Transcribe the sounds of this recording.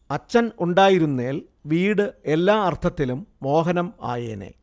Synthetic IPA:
ɐt͡ɕːɐnuɳɖaːjiɾunːeːl | ʋiːɽɨe̞lːaːɐrt̪ʰɐt̪ːilumːo̞ːɦɐnɐma̰ːjeːnḛː

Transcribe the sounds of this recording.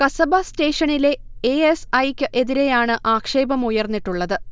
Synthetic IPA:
kɐsɐbaste̞ːʂɐɳile̞eesɐjkʲːɨʔe̞ðiɾe̞jaːɳɨʔaːkʂe̞ːbɐmujɐrnːiʈːuɭːɐðɨ

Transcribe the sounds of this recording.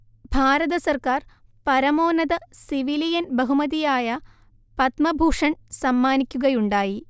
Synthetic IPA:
bʱaːɾɐðɐsɐrkaːr | pɐɾɐmo̞ːnɐðɐsiʋilijɐnbɐɦumɐðijaːjɐ | pɐt̪mɐbʱuːʂɐɳsɐmːaːnikʲːuɣɐjuɳɖaːji

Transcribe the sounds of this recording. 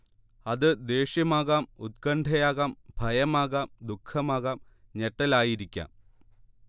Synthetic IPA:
ɐðɨd̪e̞ːɕjɐmaːɣaːmut̪̚kɐɳɖʱɐjaːɣaːmbʱɐjɐmaːɣaːmd̪ukʰːɐmaːɣaːm | ɲeʈːɐlaːjiɾikʲːa̰ːm

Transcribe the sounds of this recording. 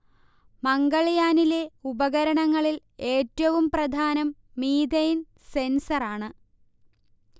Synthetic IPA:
mɐŋɡɐɭɐjaːnile̞ubɐɣɐɾɐɳɐŋːɐɭil | e̞ːtːɐʋumprɐd̪ʱaːnɐmː | iːd̪ɐjn | se̞nsɐraːɳɨ

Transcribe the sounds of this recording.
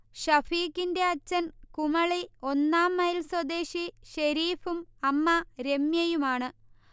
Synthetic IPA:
ɕɐfiːkːinde̞ɐt͡ɕːɐnkumɐɭio̞nːaːmːɐjilswɐd̪e̞ːɕiɕɐɾiːfumɐmːɐɾe̞mjɐjumaːɳɨ

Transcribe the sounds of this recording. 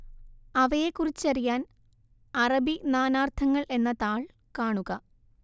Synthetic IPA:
ɐʋɐjekːurit͡ɕːɐrijaːn | ɐrɐbinaːnaːrt̪ʰɐŋːɐɭʔe̞nːɐt̪aːɭ | kaːɳuɣɐ

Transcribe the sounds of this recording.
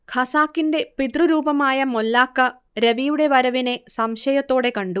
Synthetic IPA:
kʰɐsaːkiɳɖepid̪ɾuɾuːpɐmaːjɐmɔlːaːkːɐ | ɾɐʋiːuɽeʋɐɾɐʋinesɐmʃɐjɐt̪oːɽekɐɳɖu

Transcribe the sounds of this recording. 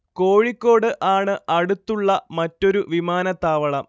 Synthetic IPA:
ko̞ːɻikʲːo̞ːɽɨʔaːɳɨɐɽut̪ːuɭːɐmɐtːo̞ɾuʋimaːnɐt̪aːʋɐɭɐm

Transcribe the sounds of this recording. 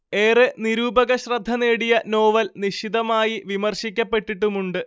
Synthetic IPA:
e̞ːreniɾuːbɐɣɐɕrɐd̪ʱːɐne̞ːɽijɐno̞ːʋɐlniɕid̪ɐmaːjiʋimɐrɕikʲːɐpːe̞ʈːiʈːumuɳɖɨ

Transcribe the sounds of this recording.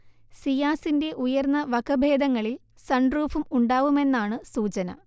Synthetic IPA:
sijaːsinde̞ʔujɐrnːɐʋɐkɐbʱeːd̪ɐŋːɐɭil | sɐɳɖruːfumuɳɖaːʋume̞nːaːɳɨsuːt͡ɕɐnɐ̰

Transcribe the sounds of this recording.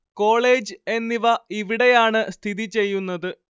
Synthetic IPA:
ko̞ːɭe̞ːd͡ʑe̞nːiʋɐiʋiɽe̞jaːɳɨst̪ʰiðit͡ɕe̞jːunːɐðɨ

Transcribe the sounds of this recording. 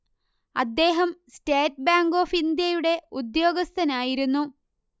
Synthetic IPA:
ɐ̰d̪ːe̞ːɦɐmsteːt̚baːŋɡo̞ːfind̪jɐjuɽe̞ud̪jo̞ːɡɐst̪ʰɐnaːjiɾunːu

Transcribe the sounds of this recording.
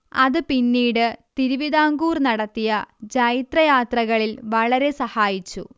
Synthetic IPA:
ɐðɨpinːiːɽɨt̪iɾuʋiðaːŋɡuːrnɐɽɐt̪ːijɐd͡ʑɐjit̪rɐjaːt̪rɐɣɐɭilʋɐɭɐɾe̞sɐhaːjit͡ɕːṵ

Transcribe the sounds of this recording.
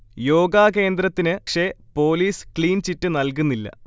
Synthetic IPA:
jo̞ːɡaːke̞ːnd̪ɾɐt̪ːinɨkʂepo̞ːliːskliːnt͡ɕitːɨnɐlkunːilːɐ̰

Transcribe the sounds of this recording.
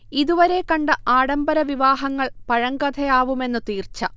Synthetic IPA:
iðuʋɐɾe̞kɐɳɖɨʔaːɽɐmbɐɾɐʋiʋaːɦɐŋːɐɭpɐɻɐŋɡɐd̪ʰʱɐjaːʋume̞nːɨt̪iːrt͡ɕːɐ

